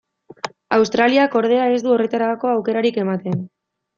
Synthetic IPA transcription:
awst̪ɾaliako̞ɾð̞e̞ae̞zd̪uo̞re̞t̪aɾako̞awke̞ɾaɾike̞mat̪e̞n

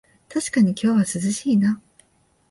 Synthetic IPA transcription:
t̪aɕi̥kaɲ̟ikʲo̞ːβasɨzɨɕiːna

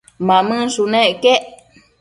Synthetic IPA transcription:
mãmɨ̃sunẽʔkeʔ

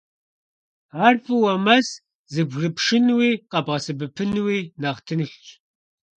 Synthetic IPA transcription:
aːrfʼɨwɐmɐs | zɨbɣrɨpʂɪnwiːqʼɐbʁɐsɨbɨpʰɨnwiːnaːʁtʰɨnɨxt͡ʃʼ

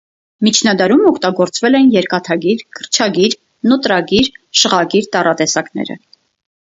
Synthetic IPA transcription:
mit͡ʃʰnɑd̪ɑɾumɔkʰt̪ɑɡɔɾt͡svɛlɛnjɛɾkɑt̪ʰɑɡiɾkʰəɾt͡ʃʰɑɡiɾ | nɔt̪ɾɑɡiɾʃəʁɑɡiɾt̪ɑrɑt̪ɛsɑknɛ̰ɾə̰

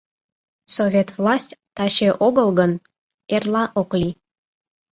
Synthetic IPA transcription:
sovʲet̪vlˠɑsʲtʲt̪ɑɕeʔoɣəlɣən | erlˠɑʔoklʲi

